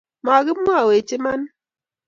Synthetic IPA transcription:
ma˨ɡɪ˦m˦a˦˨we˨t͡ʃi˦ma˦n

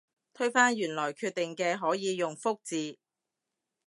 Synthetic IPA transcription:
t̪ʰɵ˥ɥfaː˥njyː˨˩nlɔː˨˩jkʰyː˧t̚t̪ɪ˨˩ŋkɛː˧ɦɔː˨˥jiː˨˧jʊ˨ŋfʊ˥k̚t͡siː˨˧

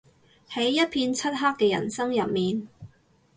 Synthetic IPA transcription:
hɐ˨˥jːɐ˥t̚pʰiː˧nt͡sʰɐ˥t̚ɦaː˥kːɛː˧jɐ̰˨˩nsɐ˥ŋjɐ˨p̚miː˨n

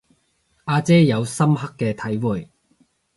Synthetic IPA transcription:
aː˧t͡sɛː˥jɐ˨˧wsɐ˥mɦɐ˥kːɛː˧t̪ʰɐ˨˥jwuː˨˩j

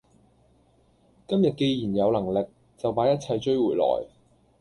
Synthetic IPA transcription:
kɐ˥mjɐ˨t̚ke˧jjiː˨˩njɐ˨˧wlɐ˨˩ŋlɪ˨k̚ | t͡sɐ˨wpaː˨˥jɐ˥t̚t͡sʰɐ˧jt͡ʃɵ˥ɥwuː˨˩jlɔ̰ː˨˩j

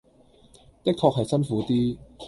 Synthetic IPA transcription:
t̪ɪ˥k̚t̪ʰɔː˧k̚ɦɐ˨jsɐ˥nfuː˨˥t̪iː˥

